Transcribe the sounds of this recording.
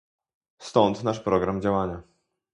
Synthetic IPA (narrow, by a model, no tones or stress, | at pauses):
st̪ɔnt̪naʂpɾɔɡɾamd͡ʑawaɲa